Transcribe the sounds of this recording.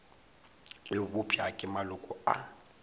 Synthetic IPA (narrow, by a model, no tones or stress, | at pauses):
ɪbʊpʰiakʼɪmalʊkʼɔa̰